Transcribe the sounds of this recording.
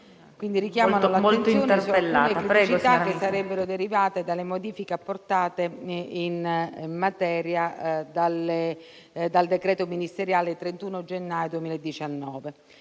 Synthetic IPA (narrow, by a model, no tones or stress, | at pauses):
kwind̪iɾik̟jaːmanolatmoent̪sijoːnesopelːaekupɾɛt͡ʃit̪akːesːaɾɛbːeɾod̪eɾivaːt̪ed̪alːemod̪iːfikeapːort̪aːt̪einmmat̪ɛːɾjad̪ale | d̪ald̪ekɾɛːt̪ominist̪eɾjaːlet̪ɾent̪uːnod͡ʒenːaːjod̪uemiːlaed̪ːit͡ʃanːɔːve